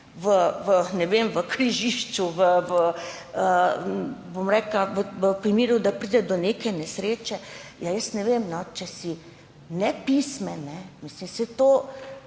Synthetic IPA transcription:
ʋəʋənɛʋemʋəkɾiʒiʃt͡ʃuʋəʋə | ə | bomɾɛːklaʋəʋəpɾimiːɾud̪apɾiːd̪ɛd̪ɔnekɛnɛsɾeːt͡ʃɛjajəst̪nɛʋemnɔt͡ʃɛsi | nɛpismɛnɛmislimsɛt̪oː

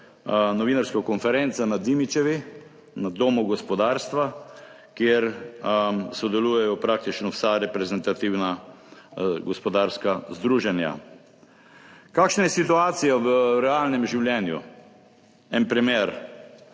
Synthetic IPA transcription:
nɔʋinaɾskakɔnfɛɾɛnt̪sanad̪imit͡ʃɛʋi | nad̪oːmuɡɔspɔd̪aːɾst̪ʋa | kjeɾ | sɔd̪ɛluːjɛjɔpɾak̚t̪it͡ʃnɔwsaɾɛpɾɛzɛnt̪at̪iwna | ɡɔspɔd̪aɾskazd̪ɾuːʒɛnja̰ | kaːkʃnajɛsit̪uaːt̪sijaʋəɾɛalnɛmʒiwljɛːnjṵ | ɛnpɾimjeːɾ

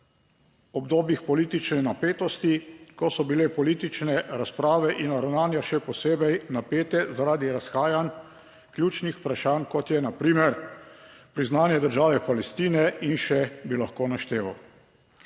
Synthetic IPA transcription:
ɔbd̪oːbjixpɔliːt̪it͡ʃnɛnapeːt̪ɔst̪ikɔsɔbilepɔliːt̪it͡ʃnɛɾaspɾaːʋɛʔinːaɾawnaːnjaʃɛpɔseːbɛjnapeːt̪ɛzaɾaːd̪iɾasxaːjan | klʲjuːt͡ʃnixpɾaʃankɔt̪jɛnapɾiːmɛɾ | pɾiznaːnjɛd̪əɾʒaːʋɛpalɛst̪iːnɛinʃɛbilaxkoːnaʃt̪eːʋaw

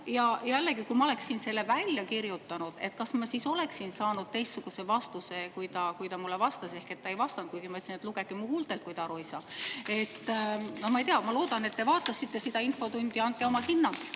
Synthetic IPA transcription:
jɑjælːeɡikujmɑo̞le̞ksːiːnse̞lːevælʲjɑkirjut̪ːˑɑnud̪̥e̞t̪̚kɑsmɑsiso̞leksinsɑːnud̪̚t̪e̞jst̪ːsuɡ̥usevɑst̪use̞kujt̪ɑkujt̪ɑmulːevɑst̪ɑse̞hke̞t̪ːɑe̞jvɑst̪ɑnt̪̚kujɡ̥imɑyt̪sinet̪luɡ̥ek̪ːimuhuːlt̪ˑe̞lt̪̚kujt̪ɑɾo̞jsɑe̞t̪ːnohmɑejt̪eɑmɑlo̞ːd̪̥ɑne̞t̪ːe̞vɑːt̪ːˑɑsːit̪ːe̞sid̪̥ɑinfo̞t̪unʲd̪̥iɑnt̪̚keo̞mɑhinːɑ

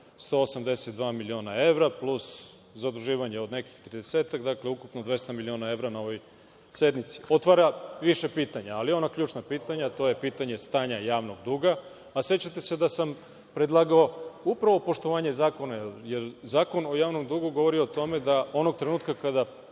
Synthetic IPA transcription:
st̪o̞ːosamd̪eset̪̚d̪ʋaːmilio̞nae̞ʋɾaplˠus | zad̪uʒiːʋaɲeo̞d̪ne̞ki̥xt̪ɾid̪eseːt̪aɡd̪akleukupnod̪ʋe̞st̪amilionae̞ʋɾanao̞ʋo̞j | se̞d̪nit̪si̥o̞t̪ʋaɾaʋiʃe̞piːt̪aɲaalijeo̞nakʎuːt͡ʃnapiːt̪aɲat̪o̞ːje̞piːt̪aɲe̞st̪aːɲajaːʋno̞ɡ̚d̪uɡaː | se̞t͡ɕat̪e̞se̞d̪asam | pɾed̪lˠaːɡao̞upɾaʋo̞po̞ʃt̪o̞ʋaːɲe̞zaːko̞najeɾjeɾzaːko̞no̞jaːʋno̞md̪uɡuɡo̞ʋo̞ɾiot̪o̞me̞d̪ao̞noɡ̚t̪ɾenuːt̪kakad̪a

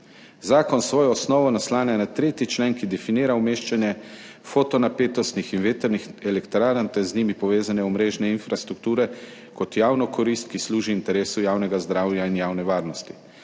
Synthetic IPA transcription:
zaːkɔnsʋoːjɔːsnɔːʋɔnaslaːnɛnat̪ɾeːt̪it͡ʃleːŋkid̪ɛfiniːɾawmeːʃt͡ʃanjɛ | foːt̪ɔnapeːt̪ɔst̪nixinʋeːt̪ɛɾnixɛlɛkt̪ɾaːɾant̪ɛɾzniːmipɔʋeːzanɛɔmɾeːʒnɛinfɾast̪ɾuk̚t̪uːɾɛ | kɔt̪jaːwnɔkʰɔɾist̪kisluːʒiːnt̪ɛɾeːsujaːwnɛɡazd̪ɾaːwjainjaːwnɛʋaːɾnɔst̪i̥

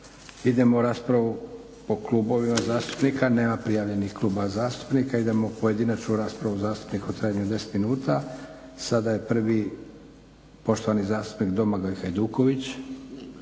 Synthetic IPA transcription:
id̪e̞mouɾaːspɾaʋu | po̞kluːbo̞ʋimazaːst̪u̥pnikane̞ːmapɾijaːʋʎe̞nixklˠuːbazaːst̪u̥pnikaid̪e̞mopo̞je̞d̪inat͡ʃnuɾaːspɾaʋuzaːst̪u̥pnikot̪ɾajaɲud̪e̞se̥t̪minuːt̪asad̪aje̞pr̩ʋi | po̞ʃt̪oanizaːst̪u̥pnikd̪o̞maɡojxajd̪uːko̞ʋit͡ɕ

